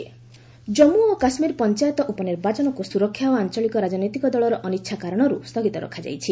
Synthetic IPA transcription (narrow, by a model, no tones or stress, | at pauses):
d͡ʒɔmuokasmiɾpɔnt͡ʃajɔt̪ɔʔupɔneɾbad͡ʒɔnɔkusuɾɔkʰːjaɔant͡ʃɔɭikɔɾad͡ʒɔnɔjt̪ikɔd̪ɔɭɔɾɔʔɔnitːʃʰakaɾɔɽ̃ɔɾust̪ʰɔɡit̪ɔɾɔ̰kʰad͡ʒa̰jt͡ʃʰi